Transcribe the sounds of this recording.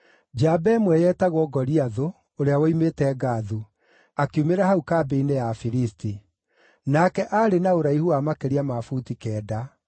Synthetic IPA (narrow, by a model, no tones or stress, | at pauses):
d͡ʒabɛmwɛjɛːtaɣwɔɡɔɾiaðo | oɾeawɔimetɛːɡaðu | akiumeɾahaukabeinejafiɾisti | nakɛʔaɾenaoɾaihuamakeɾiamafutikɛːda